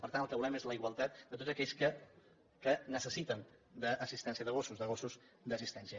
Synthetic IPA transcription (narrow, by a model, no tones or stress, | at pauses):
pəɾt̪antəlˠkəβulɛmezləiɣwəlˠt̪at̪̚d̪ət̪ot̪zəkɛʎskə | kənəsəsit̪ən | d̪əʔːsist̪ɛnsiəðəɣ̞osuzðəɣ̞osuz | d̪əsist̪ɛnsiə